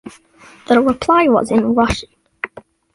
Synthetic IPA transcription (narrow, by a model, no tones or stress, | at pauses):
ðəɹɪpʰl̥aɪwʌ̰zɪ̃nɹʌʃɪ̃n